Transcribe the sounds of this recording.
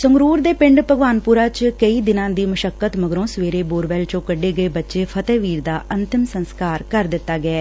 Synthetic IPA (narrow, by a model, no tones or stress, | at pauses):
səŋɡɾuːɾd̪eːpɪ̃ɳɖpəɡʋaːnpʊɾaːt͡ʃkəiːd̪ɪnãːd̪iːməʃəkːət̪məɡɾõːsʋeːɾeːboːɾʋɛːlt͡ʃõːkəɖːeːɡəeːbətːʃeːpʰət̪eːʋiːɾd̪aːʔənt̪ɪmsənskaːɾkəɾd̪ɪt̪ːaːɡəɛː